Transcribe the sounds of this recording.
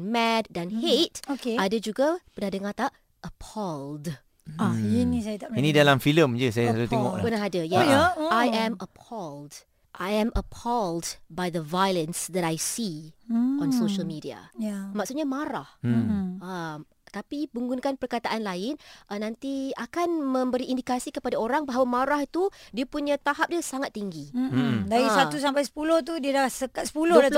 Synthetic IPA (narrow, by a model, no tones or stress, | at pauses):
nmɛdːanhet̚okeadəd͡ʒuɡapənahdəŋat̪aʔ | ʔəpʰɔld | ainisajat̪ainĩdalamfiləmd͡ʒəsajasat̪ut̪ɛŋɔʔlpənaɦadajaajɛ̃məpʰɔld | ʔajɛ̃məpʰɔldbajðəvajlə̃nsd̪ɛtajsi | ɔ̃nsoʃəlmidia̰mãksut̪̚ɲamaɾahʔam | t̪apibuŋɡunkanpərkat̪aʔanlaɪnʔənãnt̪iakanmə̃mbəɾiʔːndikasikəpadaoɾaŋbaɦawamaɾahit̪udiapuɲãt̪aɦap̚diasaŋat̪ːiŋɡidaɾisat̪us̬ampajsə̥puloht̪udiədasəkat̪sə̥pulo